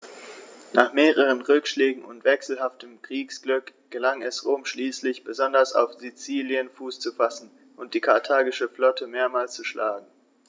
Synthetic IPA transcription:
naːχmeːʁəʁ̞ənʁʏkʃlɛːɡŋ̩ʊ̰ntv̥ɛksl̩ɦaftəmkʁ̥iːksɡ̥lʏkɡ̥əlaŋɛsʁoːmʃliːslɪçb̥əzɔndɐsa̰ʊfz̥it͡siːljənfuːst͡sufasn̩ | ʔʊnt̚d̥iːkʰaɐtʰaːɡɪʃəflɔtʰəmeːɐmaːlst͡suʃla̰ːɡŋ̩

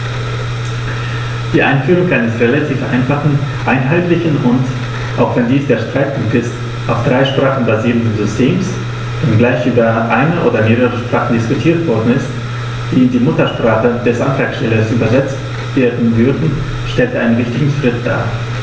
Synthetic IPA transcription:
d̥iːʔa̰ɪnfyːʁʊŋʔaɪnəsʁelatʰiːfʔa̰ɪnfaχn̩ʔaɪnɦaɪtlɪçən̩ʁʊnt | ʔaʊxv̥ɛndiːsd̥eːɐʃtʁ̥aɪt̚pʰʊŋktɪst | ʔaʊfd̥ʁaɪʃpʁ̥aːχn̩baziːʁəndənzʏstʰeːms | v̥anɡlaɪçʔyːbɐʔaɪnəʔoːdɐmeːʁəʁəʃpʁ̥aːχn̩dɪskʊtʰiːɐtv̥ɔɐdn̩ɪst | d̥iːɪndiːmʊtɐʃpʁ̥aːχəd̥ɛsʔantʁ̥aːksʃtɛlɐsʔyːbɐzɛt͡st | v̥eːɐdn̩vʏɐdn̩ | ʃtɛltəʔaɪnənvɪçtɪɡŋ̩ʃʁ̥ɪt̚d̥a̰ː

